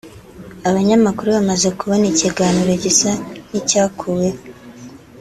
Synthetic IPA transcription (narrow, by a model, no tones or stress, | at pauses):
aβaɲamakuɾuβamaze̞kuβo̞niciɡaːniɾoɟisanicaːkʰuwe